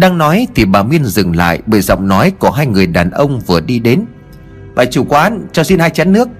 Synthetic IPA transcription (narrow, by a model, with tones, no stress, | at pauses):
ɗaː˧ŋnɔ˨˦jt̪ʰi˨˩ɓaː˨˩mi˧ənzɨ˨˩ŋla̰ː˧˨jɓəː˧˩jzɔ̰˧˨wŋ͡mnɔ˨˦jkɔ˧˩əɦaː˧jŋɨ˨˩əjɗaː˨˩nʔə˧wŋ͡mvɨ˨˩əɗi˧ɗe˨˦n | ɓaː˨˩jt͡ɕu˧˩kwaː˨˧˨nt͡ɕɔː˧wsi˧nhaː˧jt͡ɕaː˨˦nːɨ˦˥ək̚